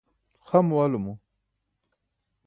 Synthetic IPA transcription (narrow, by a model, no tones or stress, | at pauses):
xamuwalumu